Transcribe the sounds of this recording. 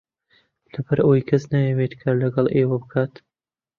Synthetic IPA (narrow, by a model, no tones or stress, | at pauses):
lɐbɐɾʔɐwjkʰɐznajewet̪kʰalɐɡɐlˠʔeːwɐbɨkʰaːt̪